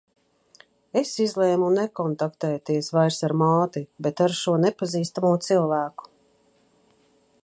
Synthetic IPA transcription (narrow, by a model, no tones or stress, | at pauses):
esizlˠɛːmunɛkɔnt̪akt̪ɛːt̪iɛsvajɾsaɾmaːt̪ibet̪aɾʃuɔnepaziːst̪amuɔt̪silˠvæːku̥